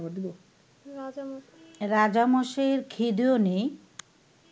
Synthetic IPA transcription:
bad̪it̪o | ɾad͡ʑamoʃeɾkʰid̪onej

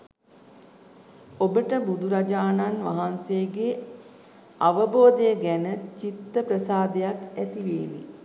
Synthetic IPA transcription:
obəʈəbud̪ʱuɾad͡ʒaːnanʋaɦansejəɡe | aʋəboːd̪əjəɡænət͡ʃit̪ːəpɾəsaːd̪ejakæt̪iʋeːʋḭ

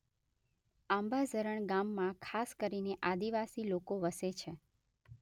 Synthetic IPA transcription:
ambad͡ʒʱəɾəɳɡamːãkʰaskəɾineʔad̪iʋasilokoʋəset͡ʃʰe

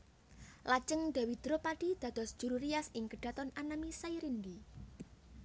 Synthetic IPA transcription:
lḁd͡ʒəŋd̪̥a̤wid̪̥ɾopaɖ̥id̪̥ä̤d̪̥ɔ̤sd̥ʒ̥uɾuɾiasɪŋkəɖ̥a̤t̪ɔnanamisaiɾind̪i

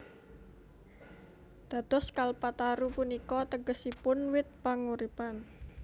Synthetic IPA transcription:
d̪̥a̤t̪ɔskalpat̪aɾupunikɔt̪əɡəsipʊnwɪt̪̚paŋuɾipan

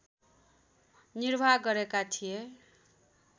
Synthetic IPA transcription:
nirbʱaɡʌɾekat̪ʰije

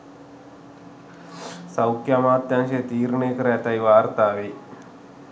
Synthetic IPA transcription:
sɐwkjamaːt̪jaːŋʃet̪iːɾɳeːkɾet̪ɐjʋaːɾt̪aːʋe

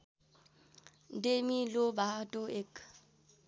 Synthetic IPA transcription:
ndemilʊbatʼʊek

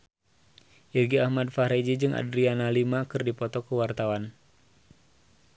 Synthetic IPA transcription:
ʔirɡiahmadfaɾed͡ʒid͡ʒɨŋʔa̰dɾianalimakɨrdipɔt̪ɔkəwart̪awan

